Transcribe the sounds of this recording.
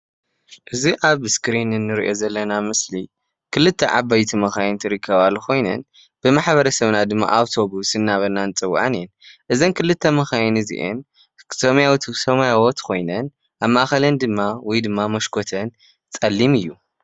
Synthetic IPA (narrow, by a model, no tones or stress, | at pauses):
ʔɨziʔaβskɾinɨnːɨɾḭʔo̞zɐlːɐnamɨsli | kʰɨlɨt̪ʰːɐ̰ʕa̰bajt̪ʰimɐxajnt̪ʰɨɾɨkʰːɐβalukʰo̞jnɐ̰n | b̥ɨmaħβɐɾɐsɐβnad̪ɨmːa̰ʔawt̪ʰo̞busɨnːaβɐnːant͡sʼɨwːa̰ʕanɨjɛnʔɨzɐnkʰɨlɨt̪ʰːɐmɐxajnɨzḭʔɨ̰n | somjawit̪ʰsɐmjawot̪kʰo̞jnɐn | ʔaβmaʔaxɐlɐnd̪ɨmːawɔjd̪ɨmːamɐʃkʰo̞t̪ʰɐn | t͡sʼɐlːimɨjːu